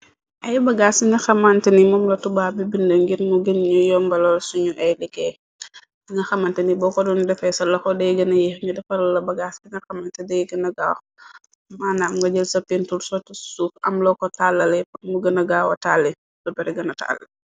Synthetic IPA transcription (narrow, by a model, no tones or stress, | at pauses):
ʔɐjbɐɡasiɲɐxɐmantinimɔmlɐtubaːbibindɐŋɡiɾmuɡinɲujɔmbɐlɔlsuɲuʔɛjlikɛ | iŋɐxɐmɐntɛnibɔkɔdundɛfɛsɐlɔxɔdɛjɡɐnɐjixɲudɛfɐɾɐlːɐbɐɡaskiɲɐxɐmɐntɛdɛjɡɐnɐɡaːw | maːnamŋɡɐɟəlsɐpintulsɔtisufɐ̰mlɔkɔtalːɐlɛpɔtmuɡɐnɐɡaːwɐ̰talːɛ | lɔbɛɾɛɡɐnɐta̰lɛ